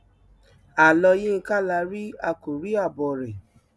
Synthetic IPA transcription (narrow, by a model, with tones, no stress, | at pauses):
a˨lɔ˧jẽ˦˧ka˦la˧˦ɾi˦a˧ko˨ɾi˦a˦˨bɔ˨ɾe˨